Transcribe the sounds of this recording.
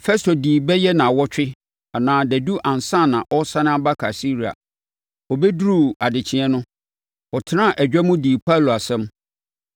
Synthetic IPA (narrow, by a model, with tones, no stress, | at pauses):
fɛ˦stʰo˨diː˨bɛ˦jɛ˦nã˨wɔ˦t͡ɕᶣɪ˦ | a˨nãː˨˦dæ˨du˦ʔã˨n˨sã˦˨nã˨ʔɔ˦sã˦nɪ̃˦a˦ba˦kʰa˨si˦ɾi˨a̰˨ | ɔ˨bɛ˦dɾu˦˨a˨dɪ˨t͡ɕʰɪ̃˨ɛ˦nʊ̃˦ | ɔ˨tʰɪ˦nã˦˨ʔæ˨d͡ʑᶣɛ˦mũ˦diː˨pʰa˦˨lo˨a˨sɛ̃˦m